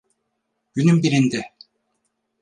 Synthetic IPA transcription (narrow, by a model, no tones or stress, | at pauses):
ɡ̥ynymbiɾind̪ɛ